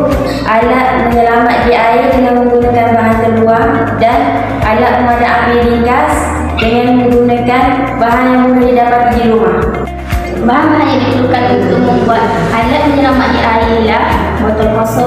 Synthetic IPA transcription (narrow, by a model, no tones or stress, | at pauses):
ʔalaʔ̪̚məɲəlamat̪̚diairdəŋanməŋɡunəkanbaɦant̪əluaŋ | dan | ʔalaʔ̪̚məŋmadaʔapinikas | dəŋanməŋɡunəkan | baɦanjaŋbuɾadidapat̪̚diɾumah | baɦanbanajadit̪əlukanit̪uməmbuat̪̚halat̪̚məɲəlamat̪̚diʔailahbat̪əlmɔsɔ